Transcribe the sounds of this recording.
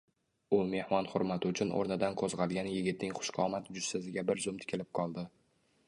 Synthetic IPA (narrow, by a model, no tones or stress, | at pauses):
ʊme̞hmɒnχʊɾmat̪ʰɪʊt͡ʃʰʊnʔo̰ɾnɪd̪anqʰozʁɑlˠɡʲanjɪɡʲɪt̪̚nɪŋχʊ̥ʃqʰɒmat̪d͡ʒʊssazɪɡʲabɪɾzʊmt̪ʰɪ̥kʰʲɪlɪp̚qʰɒlˠd̪ɪ